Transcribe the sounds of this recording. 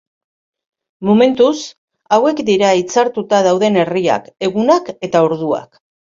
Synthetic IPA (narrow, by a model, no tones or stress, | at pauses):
mome̞nt̪us | awe̞kd̪iɾait͡saɾt̪ut̪að̞awðe̞ne̞ria̰ke̞ɣunake̞t̪aoɾðua̰k